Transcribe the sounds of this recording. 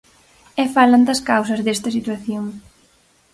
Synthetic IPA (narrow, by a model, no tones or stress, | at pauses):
ɛfalɐnd̪ɐskawsɐzðest̪ɐsit̪waθjoŋ